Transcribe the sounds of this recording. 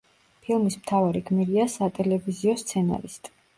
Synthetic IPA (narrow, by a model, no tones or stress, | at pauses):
pʰilˠmismt̪ʰavaɾiɡmiɾiasat̪ʼɛlɛviziɔst̪sʰɛna̰ɾist̪ʼ